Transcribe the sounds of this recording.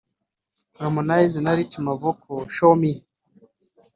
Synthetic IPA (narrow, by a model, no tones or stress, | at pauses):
ɾomonajzinaɾit͡ʃimavokʰoʃomi